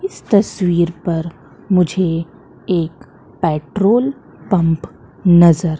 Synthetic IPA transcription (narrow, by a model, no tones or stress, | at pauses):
ɪst̪ɐswiːɾpɐɾ | mʊd͡ʒʱe | eːk | pɛːʈɾoːl | pɐ̃mp | nɐzəɾ